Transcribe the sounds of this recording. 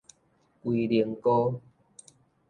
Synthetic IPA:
kwi˨li˨˧əŋkɔ˦

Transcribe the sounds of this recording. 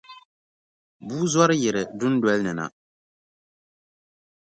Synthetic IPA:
buː˦zwɔ˦ɾɨ˦jɪ˨ɾɨ˨dʊ˦n˦dwɛ˦lnɨ˨na̰˨

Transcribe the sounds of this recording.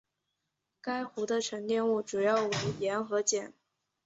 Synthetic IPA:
ka˥ɪxu˧˥d̪ə˧ʈ͡ʂʰɤ˧˥ŋt̪jɛ˥˧nu˥˩ʈ͡ʂu˨˩jɑ˥˩ʊwe˧˥ɪjɛ˧˥nxɤ˧˥t͡ɕjɛ˨˩˦n

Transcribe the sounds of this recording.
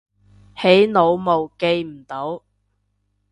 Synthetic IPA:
he˨˥jno˨˧wmo˨˧wke˧jm̩˨˩t̪o˨˥w

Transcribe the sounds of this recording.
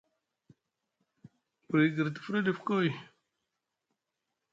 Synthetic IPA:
pɾi˨ɡə˨ɾt̪i̥˨fɾi˦di˨fko˦j

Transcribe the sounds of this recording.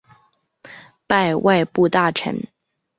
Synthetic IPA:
pa˥˧ɪwʔa˥˧ɪpu˥˧t̪a˥˩ʈ͡ʂʰə̰˧˥˦n

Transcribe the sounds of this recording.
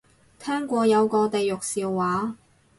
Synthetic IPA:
t̪ʰɛː˥ŋkʷɔː˧jɐ˨˧wkɔː˧t̪e˨jjʊ˨k̚siː˨˧wːaː˨˥

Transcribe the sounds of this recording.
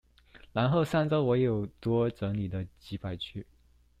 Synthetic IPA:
la˧˥nxo˥˧ʊsa˥˧nt͡sa˥ʊwɔ˧˥jo˨˩ʊt̪wɔ˥ʈ͡ʂɤ˧˥ŋli˨˩d̪ə˦t͡ɕi˧˥pʰa˨˩ɪt͡ɕʰy˥˩

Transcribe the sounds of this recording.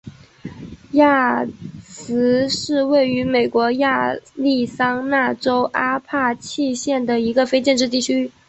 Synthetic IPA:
ja˥˩ | sɹ̩˧˥ʂɻ̩˥˧we˥˩ɪy˧˥me˨˩ɪkwɔ˧˥ja˥˧li˥˩sɑ˥ŋna˥˩ʈ͡ʂo˥ʊʔa˥pʰa˥˧t͡ɕʰi˥˧ɕjɛ˥˩nd̪ə˩i˧˥ɡə˧fe˥ɪt͡ɕjɛ˥˧nʈ͡ʂɻ̩˥˧t̪i˥˩t͡ɕʰy˥

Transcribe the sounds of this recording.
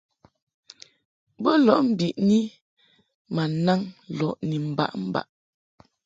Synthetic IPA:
bə˦lɔ˦˨ʔm̩˦bi˨ʔni˦ | ma˨na˦ŋlɔ˨ʔni˨m̩˨ba̰˦˨ʔm̩˦ba̰˨ʔ

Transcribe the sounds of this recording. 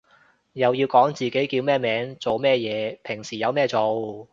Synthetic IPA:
jɐ˨˧wjiː˧wkɔː˨˥ŋt͡siː˨ke˨˥jkiː˧wmɛː˥mɛː˨˥ŋt͡so˨wmɛː˥˧jɛː˨˧pʰɪ˨˩ŋsiː˨˩jɐ˨˧wmɛː˥t͡so˨w

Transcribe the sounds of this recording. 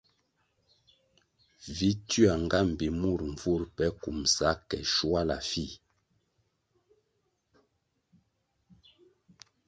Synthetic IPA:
vi˦ty˦a˨ŋ˨ɡa˦m̩˨bi˨mu˦˨ɾɱ˨vu˦˨ɾpɛ˦ku˨msa˨˦kɛ̰˨ʃu˦a˦la̰˨fi˦˨

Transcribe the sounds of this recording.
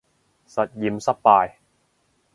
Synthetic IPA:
sɐ˨˩t̪̚jiː˨˩msɐ˥p̚paː˧j

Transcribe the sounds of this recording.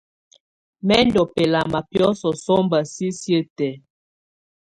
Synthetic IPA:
mɛ˦ndɔ˨pɛ˨la˨ma˨pjɔ˦sɔ˨sɔ˦mba˨si˦sjə˦tɛ˨˦

